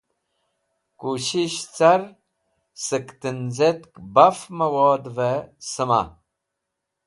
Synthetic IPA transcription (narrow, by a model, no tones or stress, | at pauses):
kuɕiɕt͡saɾ | səkt̪ɨnzet̪kbɐfmɐwoːd̪vesəma̰